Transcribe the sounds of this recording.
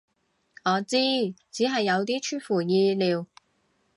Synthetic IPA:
ŋɔː˨˧t͡siː˥t͡siː˨˥ɦɐ˨jːɐ˨˧wt̪iː˥t͡ʃʰyː˥nfuː˨˩jiː˧liː˨˧w

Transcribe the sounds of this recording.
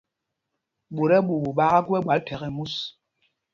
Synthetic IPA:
ɓo˨ɾɛ˦ɓu˨bu˨ɓa˦ɣa˦ɡɛ˦ɓwa˨ltʰɛ˨ɣɛ˨mu˦s

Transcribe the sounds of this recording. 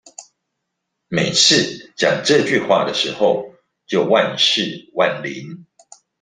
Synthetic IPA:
me˨˩ɪt͡sʰɹ̩˥˨t͡ɕjɑ˨˩ŋʈ͡ʂɤ˥˧t͡ɕy˥˨xwa̰˥˨d̪ə˩ʂɻ̩˧˦xo˥˨ʊ | t͡ɕjo˥˧ʊwa˥˧nʂɻ̩˥˨wa˥˨˩nli˨˦n

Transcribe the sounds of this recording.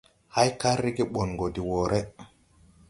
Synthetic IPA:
ha˦jka˦ɾːi˦ɡiɓɔ˨nɡo˨di˨wɔː˨ɾʔɛ

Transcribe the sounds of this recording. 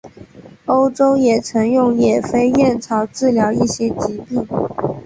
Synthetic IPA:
o˥ʊʈ͡ʂo˥ʊjɛ˨˩t͡sʰɤ˧˥ŋjʊ˥˩ŋjɛ˨˩fe˥ɪjɛ˥˩nt͡sʰɑ˧˥ʊʈ͡ʂɻ̩˥˩ljɑ˧˥ʊi˥˩ɕjɛ˥t͡ɕi˧˥pi˥˩

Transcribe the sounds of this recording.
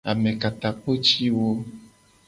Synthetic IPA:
a˨mẽ˨ka˨t̪a˨k͡po˦t͡ʃi˦wo˦

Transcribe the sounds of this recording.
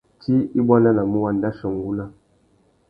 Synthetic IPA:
tʰi˦i˦bwa˦na˦na˨mu˦wa˨nda˦ʃə˨ŋ˨ɡu˦la˦

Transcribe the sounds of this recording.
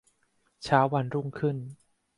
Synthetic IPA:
t͡ɕʰaː˦˥wa˧nɾu˥˩ŋkʰɯ˥˩n

